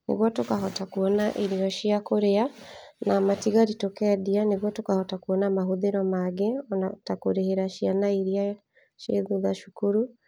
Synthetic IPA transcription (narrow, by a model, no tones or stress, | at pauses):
nḛɣwɔtokaɦɔtakuɔnaʔiɾiɔʃiakoɾeanamatiɣaɾitokɛdianeɣwatokahɔtakuɔnamaɦoðeɾɔmaɡeɔnatakoɾeheɾaʃianaiɾia | ʃeðuðaʃukuɾu